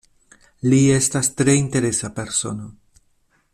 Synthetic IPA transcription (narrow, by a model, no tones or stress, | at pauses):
lie̞stastɾe̞inte̞ɾe̞sape̞ɾso̞̰no